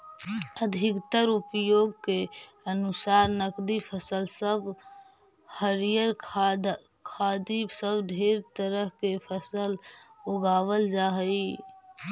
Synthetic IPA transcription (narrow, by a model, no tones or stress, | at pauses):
əd̪ʱɪkt̪əɾupjoːɡke | ənusaɾnəkd̪ipʰəsəlsəb | həɾijəɾ | kʰad̪isəbd̪ʱeɾt̪əɾəɦkepʰəsəloɡaːʋəld͡ʒaɦəi